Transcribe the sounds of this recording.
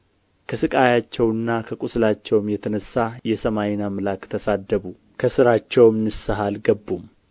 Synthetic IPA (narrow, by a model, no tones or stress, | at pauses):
kʰəsɨkʼajat͡ʃːɛwɨnːakʰəkʼuslat͡ʃːɛwmjɛt̪ʰənəsːajɛsəmajnamlakt̪ʰəsad̪ːəβu | kʰəsɨɾat͡ʃːɛwmnɨsːəɦalɡəbːum